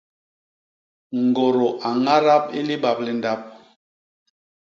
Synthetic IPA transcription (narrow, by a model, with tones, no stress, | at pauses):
ŋ˨ɡo˨ɾo˨ʔa˨ŋa˦ɾa˦p̚i˦li˦ɓa˨p̚li˨nda˦p̚